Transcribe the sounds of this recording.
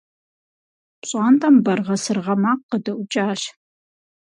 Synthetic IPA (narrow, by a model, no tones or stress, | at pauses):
pɕʼaːntʼɐmbɐrʁɐsɨrʁɐmaːqːədɐʔʷʊt͡ʃʼaːɕ